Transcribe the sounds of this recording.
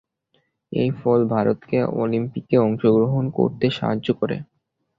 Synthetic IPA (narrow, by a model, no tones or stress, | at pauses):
ejfɔlbʱaɾot̪keo̰limpikeɔŋʃoɡɾoɦonko̰ɾt̪eʃa̰ɦad͡ʑʑokoɾḛ